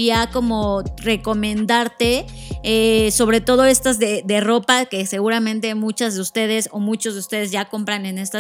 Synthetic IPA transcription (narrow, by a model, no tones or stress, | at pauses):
iako̞mo̞re̞ko̞mẽ̞nd̪aɾt̪e̞eso̞βɾe̞t̪o̞ð̞o̞e̞st̪azðe̞d̪e̞ro̞pake̞se̞ɣuɾamẽ̞nt̪̬e̞mũt͡ʃazðeust̪e̞ð̞e̞so̞mut͡ʃo̞zðeust̪e̞ð̞e̞zʝako̞mpɾane̞ne̞st̪a